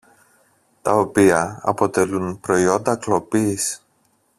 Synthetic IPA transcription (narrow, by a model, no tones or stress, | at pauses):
t̪ɐo̞piɐɐ̰po̞t̪e̞lunpɾo̞io̞nd̪ɐklo̞piːs